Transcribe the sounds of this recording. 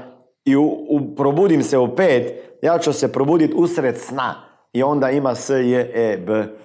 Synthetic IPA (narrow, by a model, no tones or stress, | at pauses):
iupɾobuːd̪imsɛupeːt̪jat͡ʃusepɾobuːd̪it̪usɾet̪sna̰ | iõnd̪aimasəjəʔebə